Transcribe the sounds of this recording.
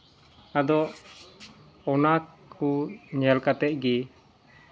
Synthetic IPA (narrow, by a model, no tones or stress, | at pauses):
ad̪ɔʔ | ɔnakʰuɲɛlkat̪ɛʔ̪̚ɡi